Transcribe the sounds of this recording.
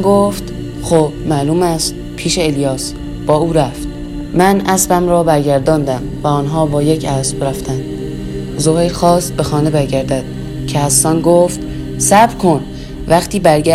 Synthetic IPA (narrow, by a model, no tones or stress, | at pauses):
ɡoft̪ | xoːb̥mæːluːmæst̪ | pʰiːʃeeljɒːs | b̥ɒːuːɾæft̪̚ | mænʔæsbæmɾɒːbæɾɟæɾd̪ɒːnd̪æm | væɒːnɦɒːbɒːjecʰæsb̥ɾæft̪ænd̪̥ | zoheɾxɒːsbe̞xɒːne̞bæɾɟæɾd̪æd̪̥̚ | cʰehæsːɒːnɡoft̪ | sæbɾkʰo̞n | væxt̪ʰiːbæɾɡæ